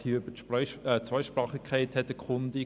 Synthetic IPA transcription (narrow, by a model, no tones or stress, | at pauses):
hiøbətʃpːt͡sʋœɪʃpɾɑːχikʰɛɪthɛtəkχʊndi